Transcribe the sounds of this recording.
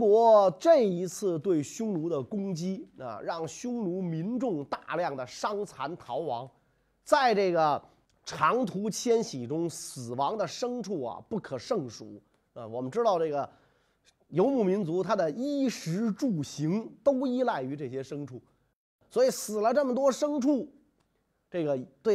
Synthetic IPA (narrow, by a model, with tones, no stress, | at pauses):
kwɔ˧˥ʈ͡ʂɤ˥˩i˧˥t͡sʰɹ̩˥˧t̪we˥˩ɪɕʊ˥ŋlu˧˥d̪ə˧kʊ˥ŋt͡ɕi˥ə̰˧ɻɑ˥˩ŋɕjʊ˥ŋlu˧˥mi˧˥nʈ͡ʂʊ˥˩˧ŋt̪a˥˧ljɑ˥˩ŋd̪ə˩ʂɑ˥ŋt͡sʰa˧˥nt̪ʰɑ˧˥ʊwɑ̰˧˥ŋ | t͡sa˥˧ɪʈ͡ʂɤ˥˩ɡə˩ | ʈ͡ʂʰɑ˧˥ŋt̪ʰu˧˥t͡ɕʰjɛ˥nɕi˨˩ʈ͡ʂʊ˥ŋsɹ̩˨˩wɑ˧˥ŋd̪ə˨ʂɤ˥ŋʈ͡ʂʰu˥˩ɐ̰˩pu˥˩kʰɤ˨˩ʂɤ˥˩ŋʂṵ˨˩˦ | ə˧wɔ˨˩mə˦nʈ͡ʂɻ̩˥t̪ɑ˥˧ʊʈ͡ʂɤ˥˩ɡə˩ | jo˧˥ʊmu˨˩mi˧˥nt͡su˧˥t̪ʰa˥d̪ə˨i˥ʂɻ̩˧˥ʈ͡ʂu˥˩ɕi˧˥ŋt̪o˥ʊi˥la˥˩ɪy˧˥ʈ͡ʂɤ˥˩ɕjɛ˥ʂɤ˥ŋʈ͡ʂʰu˥˩ | swɔ˧˥i˨˩sɹ̩˨˩lə˦ʈ͡ʂɤ˥˩mə˩t̪wɔ˥ʂɤ˥ŋʈ͡ʂʰu˥˩ | ʈ͡ʂɤ˥˩ɡə˩t̪we˥˩